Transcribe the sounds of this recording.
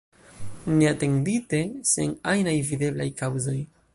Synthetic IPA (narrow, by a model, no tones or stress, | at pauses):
ne̞ate̞ndite̞sḛŋajnajvide̞blajkawzo̞j